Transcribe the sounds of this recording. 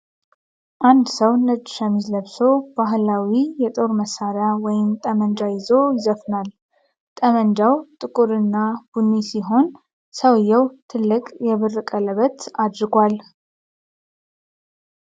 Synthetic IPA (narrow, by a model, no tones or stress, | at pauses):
ʔand̪səwnəd͡ʒːʃəmːizləβso̞b̥aɦlawijɛt̪ʼo̞ɾməsaɾawɔjɪmt̪ʼəmənd͡ʒajɪzo̞jɪzəfnal | t̪ʼəmənd͡ʒawt̪ʼɨkʼuɾɨnːab̥unːisiɦo̞n | səwjːɛwt̪ʰɨlːɨkʼjɛβɨrːɨkʼələβət̪ad̪ɾɨɡʷal